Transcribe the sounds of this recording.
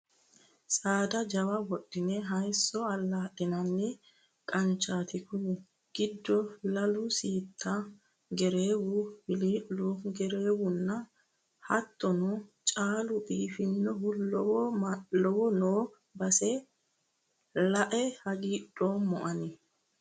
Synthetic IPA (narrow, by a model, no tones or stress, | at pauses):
sʼaːd̪ɐd͡ʒɐwɐwɔɗːɪnɛɦɐjsːɔɐlːaːɗɪnɐnːɪ | kʼɐnt͡ʃaːt̪ɪkʊn | ɡ̥ɪd̪ːɔlɐlʊsiːt̪ʰːɐ | ɡɛɾeːwʊbɪliːlːuɡɛɾe̞ːwʊnːɐ | hɐt̪ːɔnɔt͡ʃʼaːlʊbiːfɪnːɔhʊlːɔwɔmɐɔwɔnoː | bɐsɛ | lɐʔɛhɐɡiːɗoːmɔʔɐnɪ